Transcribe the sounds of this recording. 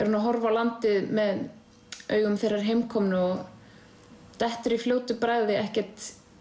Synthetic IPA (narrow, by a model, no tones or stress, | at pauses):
ɛɾ̥hunaɦɔɾvawlant̪ɪðmɛð | œ̰ːɥɣʏmθejrːaɾ̥ɦejmkʰɔmnʏɔɣ | t̪ɛht̪ʏɾifljoːwt̪ɪpɾajðɪɛhcɛɾ̥t̪